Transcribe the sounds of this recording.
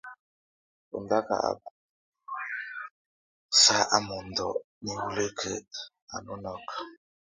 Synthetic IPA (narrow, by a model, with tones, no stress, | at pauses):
o̰˨n˨da˦ka̰˨a̰˨ba˨ | sa˦ʔa˨mo˨n˨dɔ˨ | ni˨wu˨le˦kʰe˨ | a˨no˦nɔ˦k